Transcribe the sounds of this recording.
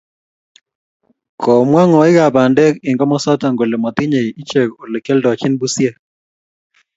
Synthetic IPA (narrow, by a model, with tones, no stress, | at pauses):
kʰɔ˨mwa˦ŋɔ˨ɪ˦ɣa˨ba˨ndɛ˦kɪ˨ŋɡɔ˦mɔ˦sɔ˦ta˨ŋɡo˨le˨mɔ˨t̪ɪ˦ɲe˨i˦t͡ʃe˨ko˨le˨kɛ˦ldɔ˨t͡ʃɪ˦nbu˦sjɛ˦